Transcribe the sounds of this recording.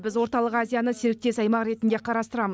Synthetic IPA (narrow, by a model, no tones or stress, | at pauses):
bɪzwo̞ɾt̪ɑlˠəqazʲijanəse̞ɾɪk̚t̪e̞sɑjmɑqɾe̞t̪ɪnd̪e̞qʰɑɾɑst̪əɾɑməz